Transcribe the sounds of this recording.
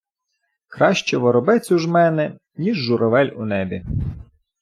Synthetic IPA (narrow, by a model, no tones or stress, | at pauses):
kɾɑʃt͡ʃɛʋɔɾɔbɛt͡sʲuʒmɛnɛ | nʲiʒːʊɾɔʋɛlʲʊnɛbʲi